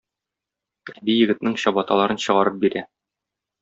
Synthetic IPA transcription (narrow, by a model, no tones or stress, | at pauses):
æbijɘ̆ɡɘ̆t̪nɘŋɕɒbɑt̪ɑlˠɑɾɤnɕɤ̆ʁɑɾɤp̚biɾæ